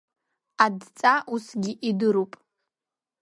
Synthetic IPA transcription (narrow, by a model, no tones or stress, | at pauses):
adt͡sʼaʔusɡʲiʔidɨɾupʼ